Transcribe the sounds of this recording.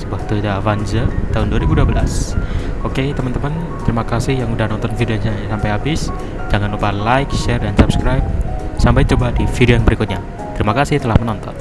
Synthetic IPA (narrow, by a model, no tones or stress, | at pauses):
səbuak̚t̪ud̪avanzət̪aɦʊnduaɾibuduabəla̰soket̪əmənt̪əmən | t̪əɾimakasɪhjaŋudahnɔnt̪ɔnfideoɲasampajabɪs | d͡ʒaŋanupalajkʃɛrdansap̚skɾajp̚ | sampajt͡ʃəbadifideanbəɾikʊt̪̚ɲa | t̪əɾimakasɪht̪əlahmənɔnt̪ɔ̰n